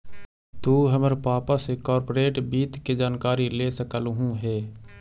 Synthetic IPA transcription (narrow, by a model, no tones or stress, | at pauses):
t̪uːɦəməɾpaːpasekɔːɾpoːɾeːʈbiːt̪ked͡ʒaːnkaːɾileːsəkəlɦũɦɛː